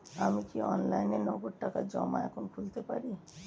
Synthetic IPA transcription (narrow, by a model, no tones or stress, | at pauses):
amikiɔ̰nlajnenɔɡoʈːakad͡ʒɔ̰ma̰ɛkʰonkʰult̪epa̰ɾi